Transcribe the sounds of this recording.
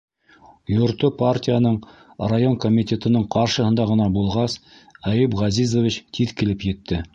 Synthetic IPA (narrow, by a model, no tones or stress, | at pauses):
jŏɾt̪opartʲijanɤɴ | rajo̞ŋkomʲit̪ʲe̞t̪ɤ̆nɤɴqʰɑɾʃɤ̆hɤ̆nd̪ɑʁɤ̆nɑbulˠʁɑs | æjɘpʁɑzizovʲit͡ɕt̪ʰiðkɘ̆lɘpjɘ̆t̪ːɘ